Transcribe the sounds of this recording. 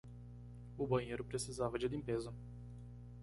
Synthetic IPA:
ubɐneɾupɾesizavɐd͡ʒed̪impezo

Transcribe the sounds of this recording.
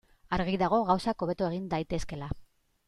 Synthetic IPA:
aɾɣiðaɣ̞o̞ɣawsako̞β̞e̞t̪oe̞ɣ̞ind̪ajt̪e̞ske̞la

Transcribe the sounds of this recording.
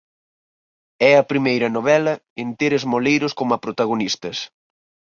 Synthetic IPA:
ɛɐpɾimejɾɐnoβɛlɐ | ent̪eɾezmolejɾʊskomɐpɾot̪aɣ̞onist̪ɐs

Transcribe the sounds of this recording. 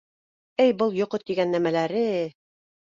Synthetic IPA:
ɘjbɤlˠjŏqɤt̪ːiɡænːæmælæɾɘ

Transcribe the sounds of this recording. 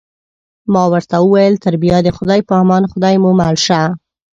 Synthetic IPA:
mɑwəɾt̪awəwajəlt̪aɾbijad̪əxʊd̪ɑjpɑmɑnxʊd̪ɑjmumalʃa

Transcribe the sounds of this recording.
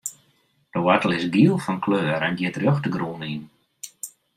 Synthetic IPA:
d̥əwatəlˠɪsɡiəlˠfɔnkʰløːɾɛndjɪtrjoxtəɡruːnin

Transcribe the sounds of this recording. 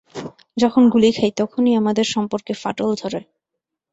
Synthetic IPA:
d͡ʑɔkʰonɡulikʰajt̪ɔkʰoniamad̪eɾʃɔmpoɾkefa̰ʈold̪ʱoɾe

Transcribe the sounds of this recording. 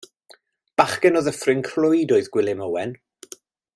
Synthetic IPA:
b̥aχɡɛnɔðəfrɪnkʰrlʊjdɔɨðɡ̥wɪlˠɪməwɛn

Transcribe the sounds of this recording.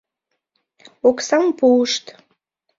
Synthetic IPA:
oksɑmpuəʃt̪

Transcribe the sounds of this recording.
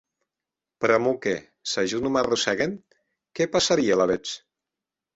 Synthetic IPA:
pɾamukḛ | saʒunumarusɛɣen | kɛpasaɾialaβet͡ʃ

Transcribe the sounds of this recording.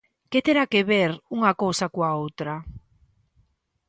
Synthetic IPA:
ket̪eɾakeβeɾuŋakowsakwaowt̪ɾa

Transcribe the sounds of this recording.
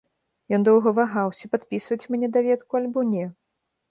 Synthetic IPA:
jɔnd̪ɔwɣɐvaɣawsʲɐpat̪pʲisvɐt͡sʲmʲnʲɛd̪avʲɛt̪kualʲbɔnʲɛ

